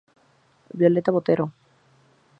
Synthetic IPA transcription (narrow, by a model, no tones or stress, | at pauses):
bjo̞let̪aβot̪eɾo